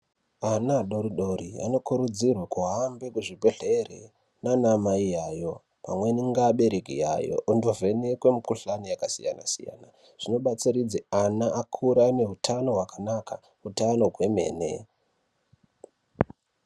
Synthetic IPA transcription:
anaɗo̞ɾiɗo̞ɾia̰no̞kuɾud͡zirwakuɦambekuʐibʱeɬerḛ | nanamaijajo̞ | pa̰mwe̞niŋɡaɓe̞ɾekḭja̰jo̰ʔːndo̞venekwe̞mukuɬanijakasija̰na̰sḭja̰ːna | ʐ̥ino̞ɓat͡siɾid͡zeanaʔakʰuɾane̞ɦutʰano̞ɦwakanaka | ɦutano̞ɦwe̞me̞̰ːne̞̰

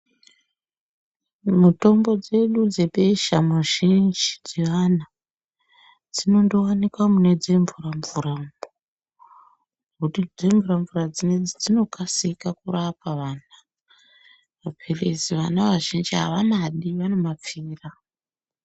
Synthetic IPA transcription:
muto̞mbo̞d͡ze̞ɗud͡zeɓe̞ʃamwaʒind͡ʒid͡ziʋana | d͡zino̞ndowanikwamune̞d͡ze̞ɱvuraɱvuɾa | kutid͡zeɱvuɾaɱvurad͡zined͡zid͡zino̞kasikakurapaʋaːna | ʋapʰereziʋanaʋaʒind͡ʒiɦa̰ʋamaɗiʋano̞map͡fiːra

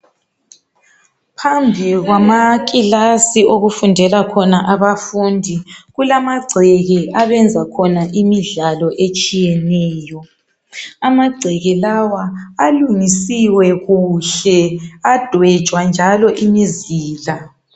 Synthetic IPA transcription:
pʰambʱiɣwamak̬ʼilasioɣufundʱɛlakʰɔnaʔaβafundʱiɣulamaɡ͡ǀʱɛɣɛʔaβɛnd͡zʱakʰɔnaʔimiɮalɔʔet͡ʃʼijɛnɛːjɔ | amaɡ͡ǀʱɛɣɛlawaːluŋisiwɛɣuɬɛad̥ʱwɛ̥t͡ʃʼwand͡ʒʱalɔʔimiziːla

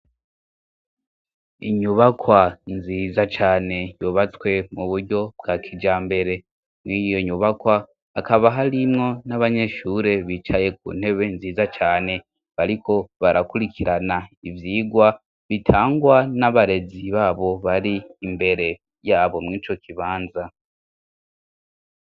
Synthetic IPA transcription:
iɲuβakwanziːzat͡ʃaːne̞joβat͡swe̞muβuɾɟo̞bɡakʰid͡ʒaːmbe̞ɾe̞ | mŋiːjoɲuβakwaː | kaβaɦaɾimŋo̞naβaɲe̞ʃuːɾe̞βit͡ʃaje̞k̚ṵːn̥e̞βe̞nziːzat͡ʃaːne̞ | βaɾikʰo̞βaɾʔakuɾikʰiɾanaivjiːɡwa | βitʰaːŋɡwanaβaɾe̞ziβaːβo̞βaɾiːmbe̞ɾe̞ | jaːβo̞mŋiːt͡ʃo̞kʰiβaːnza

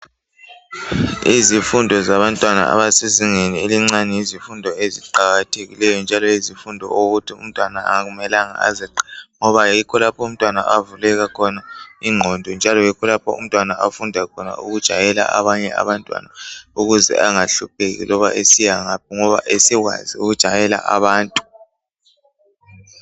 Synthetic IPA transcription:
izifundʱɔzaβantʼwana̰a̰βasiziŋenieliŋ͡ǀanɛjizifundʱɔeziǃaɣatʰeɣḭlɛjɔnd͡ʒʱalɔjizifundʱɔ̰oɣutʰiṵm̩tʼwanaa̰ɣumɛlaŋa̰a̰ziǃŋɔβajikʰɔlapʰɔum̩tʼwana̰ʔavulɛɣakʰɔnaiŋ͡ǃʱɔndʱɔnd͡ʒʱalɔjikʰɔlapʰɔ̰ṵm̩tʼwanaʔafundʱakʰɔna̰uɣud̥ʒ̥ʱajɛla̰ʔaβaɲɛa̰βantʼwa̰nauɣuzɛ̰ʔaŋaɬup̚ʰeɣḭlɔβa̰ʔesijaŋap̚ɔŋɔβa̰ʔesiɣwa̰ziuɣud̥ʒ̥ʱajɛla̰ʔaβaːntʼu̥

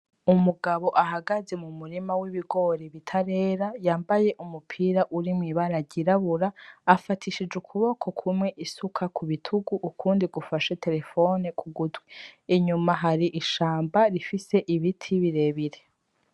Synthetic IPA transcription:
umuɡaβo̞ʔaɦaɡaze̞mumuɾimawiβiɡo̞ɾeβitʰaɾe̞ːɾajaːmbaje̞ʔumupʰiːɾaʔuɾimŋiβaɾaɾɟiɾaβuɾaːfatʰiʃid͡ʒukʰuβo̞kʰo̞kʰumŋe̞ʔisukʰakʰuβitʰuɡuʔːkʰuːndiɡufaʃe̞te̞ɾe̞fo̞nekʰuɡudɡwiːɲumaɦaɾiʔiʃaːmbaɾifise̞ʔiβitʰiβiɾe̞ːβiɾe

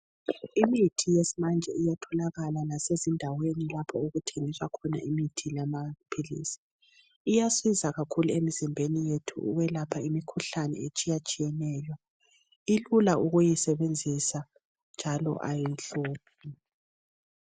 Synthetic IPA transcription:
imitʰijesimand͡ʒʱɛijatʰɔlaɣalanasezindʱawenilapʰɔuɣutʰeŋiswakʰɔna̰ʔimitʰilamapʰilḭːsi̥ | ijaswizaɣakʰuluemizimbʱenijetʰṵʔṵwɛlapʰaimikʰuɬanɛ̰et͡ʃʼijat͡ʃʼijɛnɛːjɔ | ilulauɣujisɛβend͡zʱisa | nd͡ʒʱalɔ̰ʔa̰jinɬuːp̚ʰi

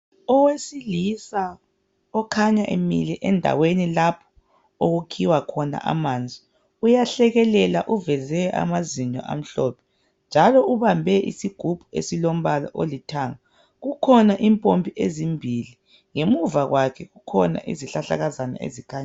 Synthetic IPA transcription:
ɔwesilisa | ɔkʰaɲaʔemḭlɛʔɛndʱa̰wenilapʰɔ̥ | oɣukʰiwakʰɔna̰ʔa̰mand͡zʱi | ujaɬɛɣɛlɛlaʔuvɛzɛʔa̰maziɲɔ̰ʔa̰m̩ɬɔpʰɛ̥ | nd͡ʒʱalɔuβambʱɛʔḭsiɡ̥ʱub̥ʱuesilom̩βalɔ̰ʔolitʰaːŋa | ɣukʰɔnaʔimpʼompʰiezimbʱili | ŋemuvaɣwakʰɛɣukʰɔna̰ʔḭziɬaɬa̰ɣazana̰ḛzikʰaːɲa

